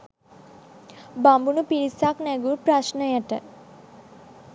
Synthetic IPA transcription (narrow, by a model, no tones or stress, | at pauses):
bambunupiɾisaknɛɡuɾpɾaʃnəjaʈə